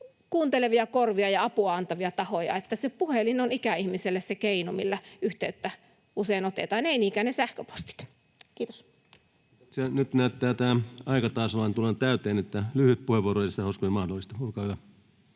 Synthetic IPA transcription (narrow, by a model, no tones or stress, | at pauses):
kuːnt̪eleʋiɑkorʋiɑjɑɑpuɑɑnt̪ɑʋiɑt̪ɑhojɑ̰et̪ːæsepuhelinonikæihmiselːessekeinomilːæyht̪eyt̪ːæ | useinot̪ḛt̪ɑːneiniːkæːnesæhkøpo̥st̪i̥t̪ | kiːt̪o̥s | senyt̪næyt̪t̪æːt̪æːɑikɑt̪ɑˑːsolɑnt̪ulent̪æyt̪eːnet̪ːælyhyt̪̚puheʋuorojɑsit̪æhoˑskuemɑhdolːˑist̪ɑoˑikɑːhyʋæ